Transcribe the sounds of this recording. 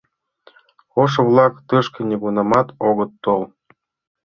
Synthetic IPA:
oʃ̬ɤ̆vlˠɑkt̪ɤʃkʲɤ̆nʲeɡunɑmɑt̪oɣɤ̆t̪ːolˠ

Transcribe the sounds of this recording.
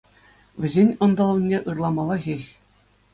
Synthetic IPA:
ʋʲɘ̆zʲenʲɤ̆nd̪ɤ̆lˠɤ̆nʲːeʔɯrlˠɑmɑlˠɑxʲeɕʲ

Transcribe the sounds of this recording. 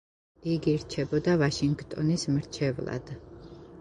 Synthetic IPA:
iɡiɾt͡ʃʰɛbɔd̪avaʃiŋɡt̪ʼɔnismɾt͡ʃʰɛvlˠa̰d̪̥

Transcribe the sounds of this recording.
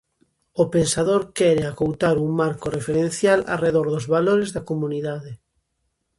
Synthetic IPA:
opensaðoɾkɛɾeakowt̪aɾuŋmaɾkorefeɾẽnθjala̰reðoɾðʊzβaloɾezðakomuniðaðe

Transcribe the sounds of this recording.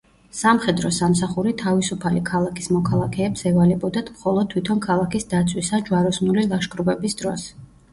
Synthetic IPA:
samχɛd̪ɾɔsamsaχuɾit̪ʰavisupʰalikʰalˠakʰi̥smɔkʰalˠakʰɛːpsɛvalɛbɔd̪at̪ʰmχɔlˠɔd̪̚t̪ʰwit̪ʰɔnkʰalˠakisd̪at̪sʰwisad͡ʒwaɾɔsnulilˠaʃkʼɾubɛbisd̪ɾɔs

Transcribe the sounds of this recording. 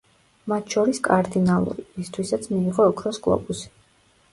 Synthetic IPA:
mat̪ʰʃɔɾiskʼaɾd̪inalˠṵɾiist̪ʰwisat̪sʰmiːʁɔːkʰɾɔskʼlˠɔ̰busi̥

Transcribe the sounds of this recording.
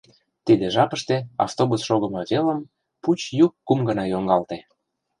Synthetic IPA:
t̪id̪eʒɑpəʃt̪eɑ̰ft̪obusʃoɣəmɤβelə̆m | put͡ɕjukːumɡə̆nɑjoŋɡɑlt̪e

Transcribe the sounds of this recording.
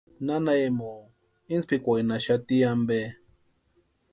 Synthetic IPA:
nanaemo | inspikʷajnaʃat̪iambe

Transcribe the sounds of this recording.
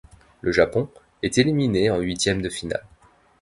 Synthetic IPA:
lʔəʒapɔ̃ | ɛt̪elimineɑ̃ɥit̪jɛmd̪əfina̰l

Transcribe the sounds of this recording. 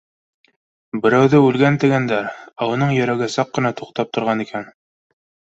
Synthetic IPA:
bɘ̆ɾæwðɘʉlɡænt̪ɘ̆ɡænd̪æɾæuɤ̆nɤɴjɵ̆ɾæɡɘsɑqːɤ̆nɑt̪uqt̪ɑp̚t̪ŏɾʁɑnikæn

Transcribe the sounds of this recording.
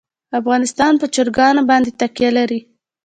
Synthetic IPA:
afɣɑnɪst̪ɑnpət͡ʃəɾɡɑnabɑnd̪et̪aqjalaɾi

